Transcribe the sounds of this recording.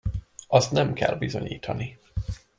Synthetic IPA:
ɒst̪nɛmkɛ̰lbizo̞ɲiːt̪ʰɒni

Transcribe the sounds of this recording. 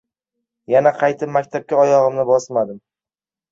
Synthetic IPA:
janaqʰɑjt̪ʰɪpmːakʲt̪ʰap̚kʲaɒjɒʁɨmnɪbɒsmad̪ɪm

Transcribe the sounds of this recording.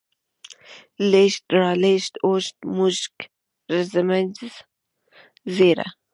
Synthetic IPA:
leʃt̪ɾɑːleʃt̪oʃt̪muʃk | ɾəzəməd͡ʒz | zeɾa̰

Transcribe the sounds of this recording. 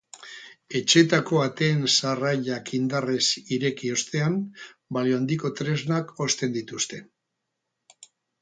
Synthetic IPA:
e̞t͡ʃe̞t̪ako̞at̪e̞ːnsaraʎakind̪are̞siɾe̞kio̞st̪e̞ambalioand̪iko̞t̪ɾe̞znako̞st̪e̞nd̪it̪ust̪e̞

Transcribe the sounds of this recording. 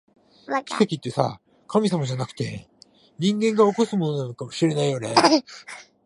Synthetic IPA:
kʲi̥se̞kʲit̪ːe̞sa̰ | kʰamʲisamaʑanakɯ̟̥t̪e̞̰ | ɲ̟ĩŋɡẽ̞ŋɡaoko̞sɨmo̞no̞nano̞kamo̞ɕiɾe̞naijo̞ne̞̰

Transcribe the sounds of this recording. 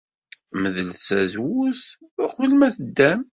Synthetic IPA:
məðəlθsæzwus | qvəlmæθəd̪ːæm

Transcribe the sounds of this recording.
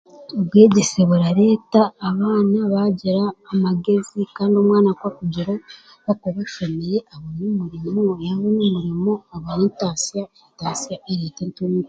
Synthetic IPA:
obɡweːɟeseβuɾaɾe̞ːtaːβaːnaβaɟiɾaːmaɡe̞zikaːndiomwaːnakwakuɟiɾo | βakoβaʃomejeʔaβonumuɾimojaβonumuɾimo̞aβaɾintaːsijaentaːsijaʔeɾiːtentumi

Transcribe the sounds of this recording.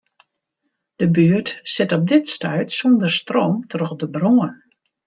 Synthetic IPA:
d̥əbyərtsɪtɔp̚dɪtstœɥtsondərstroːmtrox̚dəbroən

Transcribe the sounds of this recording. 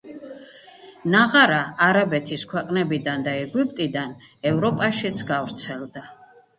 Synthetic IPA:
naʁaɾaːɾabɛt̪ʰiskʰwɛqʼnɛbid̪and̪aɛɡipʼt̪ʼid̪an | ɛvɾɔpʼaʃit̪sʰɡavɾt̪sʰɛlˠd̪a

